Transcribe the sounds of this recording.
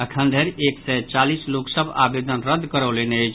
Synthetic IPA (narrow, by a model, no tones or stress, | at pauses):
əkʰənd̪ʱeɾeksɛt͡ʃalisloksəba̰bed̪ənɾəd̪ʱkəɾəleneəjt͡ʃʰ